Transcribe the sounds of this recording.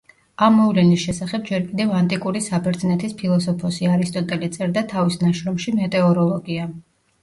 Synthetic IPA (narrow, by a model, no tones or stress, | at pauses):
amːɔvlɛnisʃɛsaχɛb̚d͡ʒɛɾkʼid̪ɛvant̪ʼikʼuɾisabɛɾd̪znɛt̪ʰispʰilˠɔsɔpʰɔsiaɾist̪ʼɔt̪ʼɛlit̪sʼɛɾd̪at̪ʰavisnaʃɾɔmʃimɛt̪ʼɛɔɾɔlˠɔɡia